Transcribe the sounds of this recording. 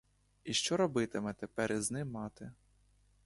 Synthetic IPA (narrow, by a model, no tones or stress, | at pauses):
iʃt͡ʃɔɾɔbɪt̪ɪmɛt̪epɛɾiznɪmːɑt̪ɪ